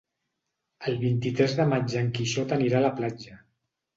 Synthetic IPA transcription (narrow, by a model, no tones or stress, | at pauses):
əlˠβint̪it̪ɾɛzðəmad͡ʒəŋkiʃɔt̪əniɾaləplad͡ʒə